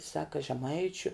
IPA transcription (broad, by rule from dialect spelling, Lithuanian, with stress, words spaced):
ˈsɑːkɐ ʒʲɛˈmɐɪt͡ʃʲʊ